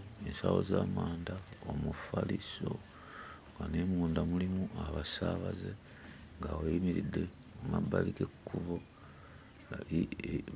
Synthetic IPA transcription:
ensawo̞̰zaːmaːndaomufaliso̞̰ | ŋɡanemuːndamulimuʔaβasaβaze | ŋɡawejimiɾidːe̞ | umabːaliɡekːuβo

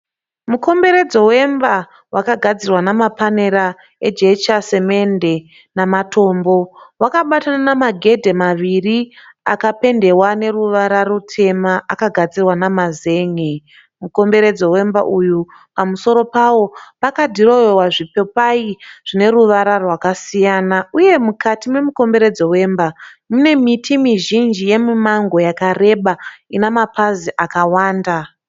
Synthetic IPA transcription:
muko̞mbe̞ɾe̞d͡zo̞we̞mba | wʔakaɡʱad͡zirwanamapane̞ɾa | ed͡ʒet͡ʃase̞me̞nde̞ | namato̞ːmbo̞wakaɓatananamaɡʱe̞dʱe̞maʋiri | a̰kape̞nde̞wane̞ruʋaɾaɾutʰe̞maakaɡʱad͡zirwanamaze̞ːŋe | muko̞mbe̞ɾe̞d͡zo̞we̞mba̰ʔuju | pamuso̞ɾo̞pawo̞pakadʱiro̞jowaʐipe̞paiʐ̥ine̞ruʋaɾarwakasijanauje̞mukʰatimwe̞muko̞mbe̞ɾe̞d͡zo̞we̞ːmbamune̞mitʰimiʒind͡ʒije̞mimaŋɡo̞jakare̞ɓainamapaziʔakawaːnda

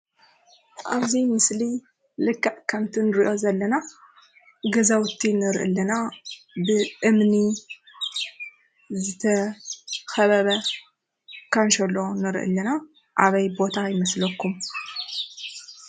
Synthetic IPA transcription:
ʔaβzimɨsli | lɨkʰːaʔkʰɐmt̪ʰinɨɾiʔo̞zɐlːɐna | ɡɐzawt̪ʰːinɨɾʔɨ̰lːɐna | bɨʔɨmni | zɨt̪ʰɐ | xɐβɐβɐ | kʰɐnʃɐlːo̞nɨɾ̰ʔɨ̰lːɐna | ʔaβɐjbo̞t̪ʰajɪmɐslɐkːum

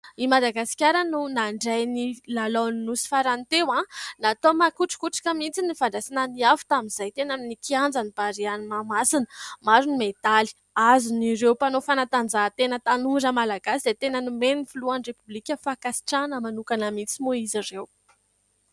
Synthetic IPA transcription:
imad̪aɡasi̥kʲaɾənunaɳɖ͡ʐajnilaloninusi̥faɾant̪ewãnat̪omakuʈ͡ʂi̥kuʈ͡ʂḁkamint͡sinifaɳɖ͡ʐasinaniafu̥t̪aminz̥ajt̪enaminikiand͡zanib̥aɾianimamasinə̥maɾunimet̪ali̥ | aziniɾewpanofanat̪and͡zat̪enət̪anuɖ͡ʐəmalaɡasid̪et̪enənumenifuluanrepublikʲəfakasi̥ʈ͡ʂanəmanukanamit͡simoizirew

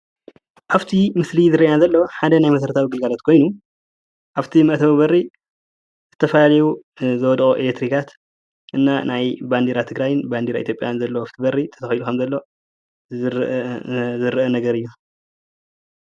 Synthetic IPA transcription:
ʔaβt̪ʰimɨslizɨɾiʔjazɐlːoħad̪ɐnajmɐsɐɾt̪ʰawiɡɨlɡalot̪kʰo̞jnu | ʔaβt̪ʰimɐʔt̪ʰɐβibɐri | zɨt̪ʰɐfɐlalɐjuzɨwɔd̪xʼoʔelet̪ɾikʰat̪ | ʔɨnːanajband̪iɾat̪ʰɨɡɾajnband̪iɾaʔit̪jopʼjanzɐlːowaft̪ʰibɐrit̪ʰɐ̥t̪ʰɐxjlukʰɐmzɐlːo̞ | zɨɾʔɐnɐɡɐɾɨjːu

